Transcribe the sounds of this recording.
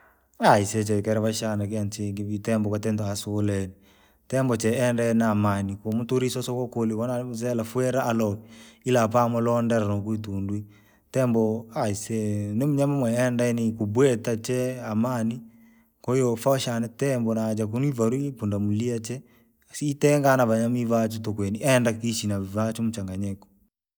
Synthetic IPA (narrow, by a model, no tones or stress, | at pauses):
aiset͡ʃɛkɛɾɛβaʃanak̬eant͡ʃeŋɡiβitɛmbɔkatɛntasolɛni | tɛmbɔt͡ʃɛɛndanamanikomutuɾisosokokolikonas̬ɛlafwɛɾaalɔkiilap̬amɔlɔndɛɾanokuit̬undwi | tɛmbɔaisɛnemuɲamamwɛːndaɛnikubwɛtat͡ʃɛamani | kɔjɔfaʃanɛtɛmbɔnad͡ʒak̬unwivaɾwipundamuliat͡ʃɛ | siːtɛŋɡanaβaɲamivat͡ʃutokwɛniʔɛndakiʃinaivat͡ʃomut͡ʃaŋɡaɲɛkɔ̥